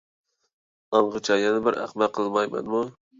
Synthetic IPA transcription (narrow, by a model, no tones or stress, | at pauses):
ɑɴʁɨt͡ʃʰajanabɪɾa̰χmaqʰɨlˠmajma̰nmʊ